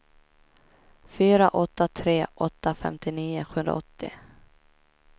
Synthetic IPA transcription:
fyːɾaʔɔt̪ːat̪ʰɾeːʔɔt̪ːafɛ̰mt̪ɪniːʊɧɵnd̪ɾa̰ʔɔt̪ːɪ̰

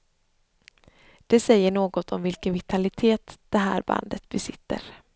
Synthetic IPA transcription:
d̪̥ɛsɛjːəɳoːɡɔt̪ʰɔmvɪlkənvɪt̪ʰalɪt̪ʰeːt̪d̪̥ɛɦæ̰ːɾba̰nd̪ət̪bɛsɪt̪ːə̰ɾ

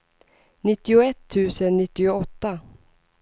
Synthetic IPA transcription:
nɪt̪ːɪʊɛt̪ʰːʉ̟ːsənːɪt̪ːɪʊɔt̪ːa

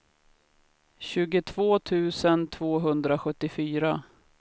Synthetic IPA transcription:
ɕʉ̟ːɡʊt̪ʰv̥oːt̪ʰʉ̟ːsənt̪ʰv̥oːɦɵnd̪ɾaɧɵt̪ːɪfyːɾa

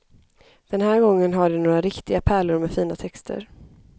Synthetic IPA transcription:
d̪̥ɛnɦæːɾɡɔŋːənɦaɖɵnoːɾaɾɪkt̪ɪɡapʰæːɭʊɾmɛfiːnat̪ʰɛkst̪ʰə̰ɾ

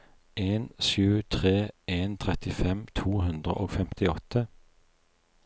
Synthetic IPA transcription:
ʔeːnʃʉːt̪ʰʁeːʔeːnt̪ʰʁɛt̪ɪfɛmt̪ʰuːhʉnd̪ʁə̰ʔoːɡfɛmt̪ʰɪɔt̪ʰə

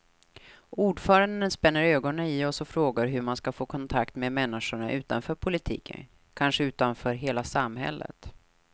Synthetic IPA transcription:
uːɖfœːɾand̪ənspɛnːəɾøːɡɔnənɪɔsɔfɾoːɡaɾɦɵmanskafoːkʰɔnt̪ʰakt̪meːd̪mɛnːɪʂʊɳaʔʉ̟ːt̪a̰nfœːɾpʰʊlɪt̪ʰḭːkʰə̰n | kʰanʂəʉ̟ːt̪anfœːɾɦeːlasamɦɛ̰lːə̰t̪

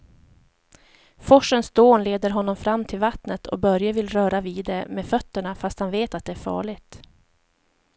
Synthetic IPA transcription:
fɔʂːənsd̪oːnleːd̪əɾɦɔnːɔmfɾamːt̪ʰɪlvat̪nət̪ʰɔ̰bœɾjavɪlɾœːɾaviːd̪ɛmeːfœt̪ːəɳafast̪hanveːt̪at̪̚d̪ɛæɾfɑ̰ːɭɪɡt̪

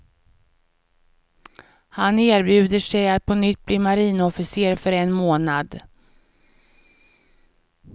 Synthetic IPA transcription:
haneːɾbjʉ̟ːd̪əʂɛjat̪pʰɔnʏt̪ːbliːmaɾiːnɔfɪseːɾfœɾɛnmoːnad̪

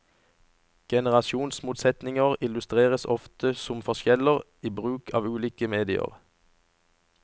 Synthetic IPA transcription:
ɡ̥ɛnəʁɑsuːnsmuːt̪sɛt̪nɪŋəʁɪlʉst̪ʁeːʁəsɔft̪ʰəsʊmfɔʁʃjɛləʁ | iːbʁʉːkʰɑːʋʉːliːkəmeːd̪ɪə̰ʁ

